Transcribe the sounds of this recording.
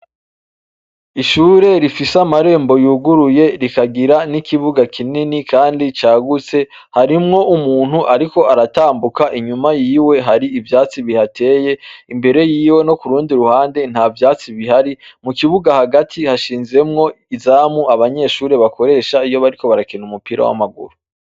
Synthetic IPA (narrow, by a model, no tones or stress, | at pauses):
iʃuːɾe̞ɾifisamaɾe̞ːmbo̞juɡuɾuje̞ɾikaɡiɾanikʰiβuɡakʰininikʰaːndit͡ʃaːɡut͡se̞ | haɾimŋo̞umuːn̥huʔaɾiko̞aɾataːmbukaʔiɲumajiːwe̞ɦaɾiivjaːt͡siβihatʰe̞ːje̞imbe̞ɾe̞jiːwe̞no̞kuɾuːndiɾuhaːnde̞n̥havjaːt͡siβihaɾimukiβuɡahaɡatʰihaʃiːnze̞mŋo̞ | izaːmuʔaβaɲe̞ʃuːɾe̞βako̞ɾe̞ʃaijo̞βaɾiko̞βaɾakinumupiːɾa̰wa̰maɡṵɾu